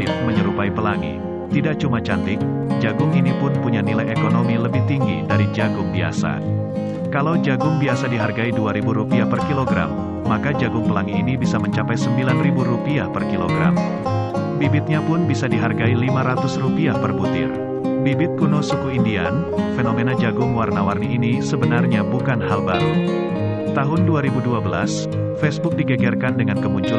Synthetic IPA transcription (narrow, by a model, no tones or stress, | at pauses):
ɪfməɲəɾupaipəlaŋḭ | t̪idaʔ̚t͡ʃumat͡ʃant̪ɪk̚ | d͡ʒaɡʊŋinipʊnpuɲanilajekonomiləbɪht̪iŋɡḭdaɾid͡ʒaɡʊŋbia̰sa̰ | kalawd͡ʒaɡʊŋbiasadiɦarɡaiduaɾibuɾupiahpərkiloɡɾa̰mː | akad͡ʒaɡʊŋpəlaŋiːnibisaməɲt͡ʃapajsəmbilanribuɾupiahpərkilo̰ɡɾa̰m | bibɪt̪̚ɲapʊnbisadiɦarɡailimaɾat̪ʊsrupiahpərbut̪ɪ̰r | bibɪt̪̚kunosukuindia̰n | fenomenad͡ʒaɡʊŋwarnawarniʔinisəbənarɲabukanhalbaɾu | t̪aɦʊnduaɾibuduabəla̰s | fɛsbʊk̚diɡaɡɛrkandəŋankəmuɲt͡ʃu